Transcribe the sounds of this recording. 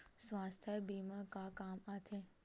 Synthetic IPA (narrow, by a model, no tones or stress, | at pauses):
sʋast̪ʰəbimãkakaːmat̪ʰe